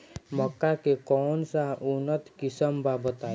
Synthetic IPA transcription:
məkːakekɔːnsaʊnət̪kɪsəmbʱabət̪aː

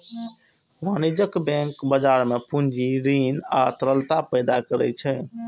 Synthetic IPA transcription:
manud͡ʒəkbɛ̃ŋkbəd͡ʒaɾmepund͡ʒiɾinat̪əɾəlt̪apəjd̪akəɾɛ̰t͡ʃʰɛ

